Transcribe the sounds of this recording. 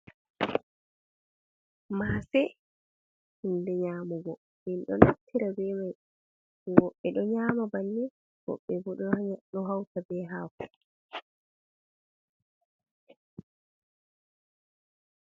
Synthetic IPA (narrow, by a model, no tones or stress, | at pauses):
maːsɛ | hindɛɲaːmuɡɔ | minɗɔnatʰːiɾabɛmaj | ɛwɔɓːɛɗɔɲaːmabanːɛ | wɔ̰ɓːɛbɔɗɔhaɲaɗɔɦawtabɛːɦaːku